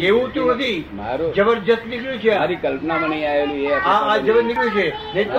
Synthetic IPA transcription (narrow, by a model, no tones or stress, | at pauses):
eʋũt̪ũɦt̪ima̰ɾud͡ʒəbəɾd͡ʒət̪nikɭjũt͡ʃʰeaɾikəlpnaməɳəjaʋelũeaad͡ʒəbəɾnikɾjũt͡ʃʰenet